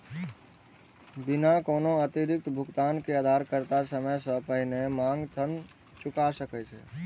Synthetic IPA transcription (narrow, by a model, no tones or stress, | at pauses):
bɪnakoːnoət̪iɾɪk̚t̪bʱʊɡt̪aːnkead̪ʱaɾkəɾt̪asəməjsə̃pəɦɪnemãːŋɡt̪ʰən | t͡ʃʊkasəkɛt͡ʃʰɛ̰